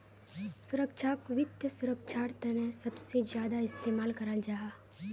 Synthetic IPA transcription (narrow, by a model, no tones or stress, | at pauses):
sʊɾəkʃʰakʋɪt̪jəsʊɾəkʃʰaːɾt̪ɐnẽsɐbsed͡ʒjaːd̪aɪst̪eːmaːlkɐɾald͡ʒaɦaː